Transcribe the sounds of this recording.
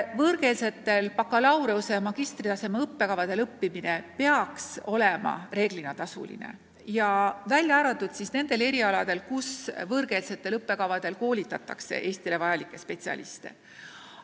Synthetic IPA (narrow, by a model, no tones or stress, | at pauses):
vɤɾɡe̞lse̞t̪ːe̞lpɑkːɑlɑwɾeuse̞mɑɡ̥ist̪rit̪ɑse̞mɑɤpːe̞kɑvɑd̪̥e̞lɤpːimine̞pe̞ɑkso̞lemɑ̰re̞ːɡ̥linɑt̪ɑsṵlḭnḛ | jɑvælʲjɑɑːɾɑt̪ːˑud̪̥sisne̞nd̪̥e̞le̞ɾiɑlɑd̪̥e̞lkusvɤrɡe̞lse̞t̪ːe̞lɤpːe̞kɑvɑd̪̥e̞lko̞ːlʲit̪ːˑɑt̪ːˑɑ̰kse̞̰ʔe̞ːst̪ile̞vɑjɑlikːˑe̞spe̞t̪siɑ̰lḭst̪e̞̰